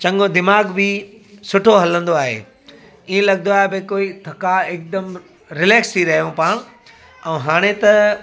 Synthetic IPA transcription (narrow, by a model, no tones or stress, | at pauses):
t͡ɕɐ̃ŋɡod̪ɪmaːɡbɪ | sʊʈʰoɦɐlə̃nd̪oaːɦḛː | iẽlɐɡə̃nd̪oaːɦebekoːit̪ʰɐkaɪːk̚d̪ɐm | ɾɪleːkst̪ʰiɾɐɦijõpaːɽ̃ | ɛ̃ːɦaːɽ̃et̪ɐ